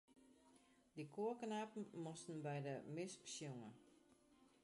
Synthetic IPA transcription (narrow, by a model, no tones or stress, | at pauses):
dikʰoəknapn̩mɔstn̩bɛjdəmɪspsjuŋə